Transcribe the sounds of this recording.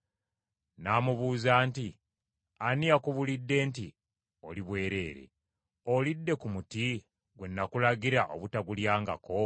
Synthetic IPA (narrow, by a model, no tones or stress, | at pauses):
naːmuβuːzaːnti | anijakuβulidːe̞ːnti | oliβwe̞ːɾe̞ːɾe̞̰ | o̞lidːe̞kumuti | ɡwenːakulaɡiɾaʔo̰βutaɡuljaːŋɡa̰ko̞